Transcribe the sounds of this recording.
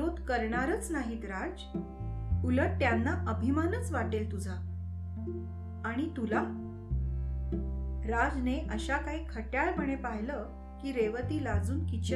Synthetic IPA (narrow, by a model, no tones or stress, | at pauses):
od̪kəɾɳaɾət͡snaɦiːt̪ɾad͡z | uləʈ̚t̪janːaʔəbʱimanət͡sʋaʈelt̪ud͡zʱa | ɽ̃it̪ula | ɾad͡zneʔəɕakaɦiːkʰəʈjaɭpəɳ̃epaɦlə | kiːɾeʋət̪iːlad͡zuːnkit͡ɕ